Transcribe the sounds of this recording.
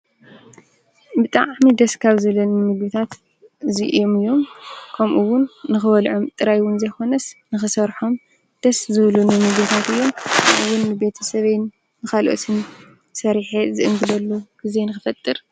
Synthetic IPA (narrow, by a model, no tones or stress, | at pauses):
bɨt̪ʼaʕmid̪ɐskʰaβzɨβlunɨmɨɡβɨt̪ʰat̪ | ɨziʔɨ̰jo̞mɨjːo̞mkʰɐmʔuwʊnːɨxɨβɐlʕomt̪ʼɨɾajwʊnzɐjko̞nɐsnɨxɨsɐɾħom | d̪̥ɐszɨβlunɨmɨɡβɨt̪ʰat̪ɨjːo̞mɐʔɨwunːɨbe̞t̪ʰɐsɐβejnː | ɨxalʔo̰t̪ʰɨn | sɐɾħezɨʔɨŋɡɨlɐlːuɡ̥ize̞nɨxɨfɐt̪ʼːɨɾ